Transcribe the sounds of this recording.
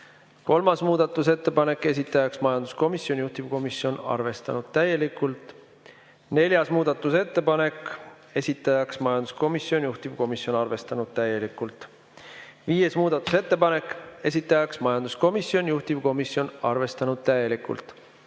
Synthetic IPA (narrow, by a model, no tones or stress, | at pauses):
ko̞lmɑsmuːd̪̥ɑt̪ˑːuse̞t̪ːˑe̞pɑne̞kːˑe̞s̬ʲit̪ːˑɑjɑksmɑjɑnd̪̥u̥sko̞misjo̞nʲjuht̪ivko̞misjo̞nɑ̰rve̞st̪ɑ̰nud̪̥̚t̪æje̞likːˑult̪ˑ | ne̞lʲjɑsmuːd̪̥ɑt̪ːˑuse̞t̪ːe̞pɑne̞kˑ | e̞sʲit̪ːˑɑjɑksmɑjɑnd̪̥u̥sko̞misjo̞njuht̪iv̥ko̞misjo̞nɑrve̞st̪ɑnud̪̚t̪æje̞likːˑult̪ˑ | viːje̞smuːd̪̥ɑt̪ːˑu̥se̞t̪ːˑe̞pɑne̞kːˑe̞sʲit̪ːˑɑjɑksmɑjɑnd̪̥usko̞misjo̞njuht̪iv̥ko̞misjo̞nɑrve̞st̪ɑnud̪̥̚t̪æje̞likːˑṵlt̪ˑ